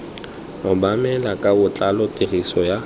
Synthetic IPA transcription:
ʊbamɛlakʼabʊt͡ɬʼalɔtʼirisɔja

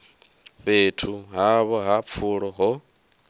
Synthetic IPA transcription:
βeːtʰuɦaβɔɦap̪fʰuɺɔɦɔ

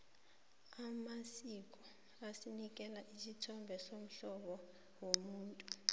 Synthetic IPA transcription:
amasik̬ʼɔ | asinik̬ʼɛlaʔisitʰɔmbʱɛsom̩ɬɔɓɔ | womuːntʼu

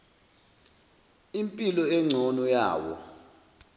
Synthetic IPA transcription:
impʼilɔɛŋ͡ǀʱɔnɔjaːwɔ̰

